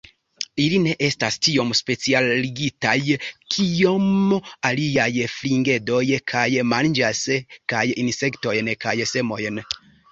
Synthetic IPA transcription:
iline̞ʔe̞stastio̞mspe̞t͡sialːiɡitajkʰio̞maliajfliŋɡe̞do̞jkʰajmand͡ʒaskajinse̞kto̞jnkajse̞mo̞jn

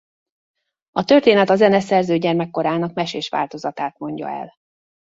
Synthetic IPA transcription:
ɒt̪ø̞rt̪eːnɛt̪ɒzɛnɛsɛrzøːɟɛrmɛkːo̞ɾaːnɒkmɛʃeːʃʋa̰ːlt̪o̞zɒt̪aːt̪mo̞ɲɟɒ̰ɛ̰l

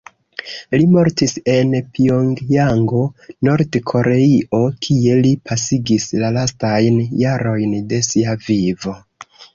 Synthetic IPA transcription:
limo̞ɾtise̞npioŋɡaŋɡo̞no̞ɾdkʰo̞ɾe̞iʔo̞kʰie̞lipʰasiɡislalastajnjaɾo̞jnde̞siavivo̞

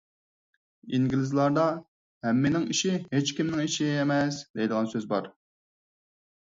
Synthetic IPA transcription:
iŋɡʲlɪzlˠɑɾd̪ɑ | hɛmːɪnɪŋiʃɪɦet͡ʃkʲimnɪŋiʃiemɛsd̪ejd̪əʁɑnsøzbɑɾ

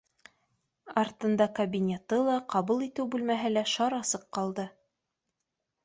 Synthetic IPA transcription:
ɑɾt̪ɤ̆nd̪ɑkɐbʲinʲet̪ɤlˠɑqɑβulˠit̪ɘwbʉlmæɦɘlæʃɑɾɑsɤqːɑlˠd̪ɤ

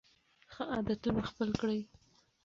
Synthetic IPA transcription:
xəʔɑd̪at̪unaxpəlkɽəj

